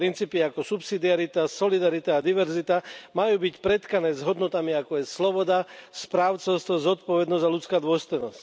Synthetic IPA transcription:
ɾint͡siːpiakɔsupsid̪iaɾit̪asɔlid̪aɾit̪aːd̪iʋɛɾzit̪amajuːbicpɾɛt̪kanɛːzɦɔd̪nɔt̪amiakɔjɛslɔbɔd̪aspɾaːʊt͡sɛʊst̪ɔzɔt̪̚pɔʋɛd̪nɔzalut͡skaːd̪ʊɔst̪ɔjnɔsc

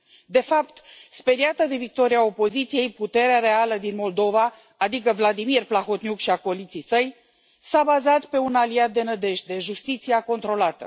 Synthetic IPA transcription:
d̪e̞fapt̪spe̞ɾiat̪əd̪e̞vik̚t̪o̞ɾiao̞po̞zit̪sije̞jput̪e̞ɾeaɾe̞aləd̪inmo̞ld̪o̞vaː | d̪ikəvlad̪imirplaxo̞t̪nʲjukʃiakolit̪sijsəj | sabazat̪pe̞unaliat̪̚d̪e̞nəd̪e̞ʃt̪̚d̪e̞ʒust̪it̪siako̞nt̪ɾo̞lat̪ə̰

